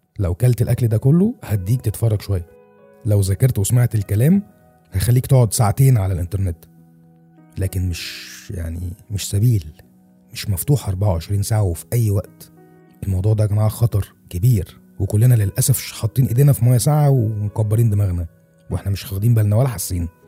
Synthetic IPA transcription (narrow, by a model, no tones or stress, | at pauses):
læwkælt̪elʔækld̪ækolːohæd̪iːk̚t̪et̪fɑrˤːɑɡʃowæjːæ | læwzækɑɾˤt̪wesmaʕt̪elkælæːm | hæt̪xælːiːkt̪oʕod̪saʕat̪eːnʕalælʔent̪ɑɾˤnet̪ | læːkenmeʃja̰ʕnḭmeʃsæbiːl | meʃmæft̪uːħʔɑɾˤbaʕawʕeʃɾiːnsaʕawefiʔæjːwæʔt̪ | ʔelmɑwd̪ˤuːʕd̪ækæːnʕalæxɑt̪ˤɑɾˤ | kebiːɾ | wekolːenælelʔæsæfħɑt̪ˤːiːnʔed̪eːnæfimæjːæsaʕawemokæbːɑɾiːnd̪emæɣnæ | wḛħnæmeʃxæɣd̪iːmbælnæwælːæħasːiːn